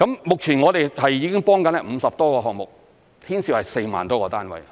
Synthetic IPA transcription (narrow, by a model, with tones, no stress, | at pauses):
kɐ˨˥mmʊ˨k̚t͡sʰiː˨˩nŋɔː˨˧ɾe˨jɦɐ˨jːiː˨˧˥kɪ˥ŋpɔː˥ŋkɐ˨˥n˥m̩˨˧sɐ˨p̚t̪ɔː˥kɔː˧ɦɔː˨kŋmʊ˨k̚ | t̪ʰiː˥nsi˧whɐ˨jse˧jma̰ː˨nt̪ɔː˥kɔː˧t̪aː˥nwɐ̰˨j